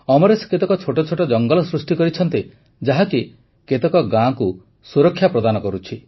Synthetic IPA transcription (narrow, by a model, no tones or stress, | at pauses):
ɔmɔɾesket̪ɔkɔt͡ʃʰoʈɔt͡ʃʰoʈɔd͡ʒɔŋɡɔlɔsɾusʈikɔɾit͡ʃʰɔnt̪i | d͡ʒaɦaki | ket̪ekɔɡãku | suɾɔkʰːjapɾɔd̪anɔkɔɾut͡ʃʰi